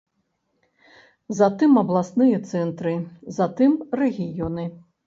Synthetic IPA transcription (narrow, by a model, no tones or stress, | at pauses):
zat̪ɨmɐblˠasnɨjɐt̪sɛnt̪ɾɨzat̪ɨmrɛɣʲijɔnɨ